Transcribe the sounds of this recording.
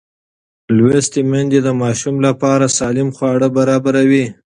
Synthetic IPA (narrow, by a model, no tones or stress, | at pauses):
lwest̪emand̪ed̪əmɑʃumlapɑɾasɑlɪmxwɑɽəbaɾɑbaɾawi